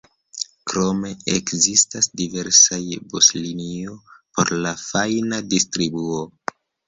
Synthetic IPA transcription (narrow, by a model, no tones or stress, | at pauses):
kɾo̞me̞ekzistasdive̞ɾsajbosliniopo̞̰ɾlafajnadistɾibuo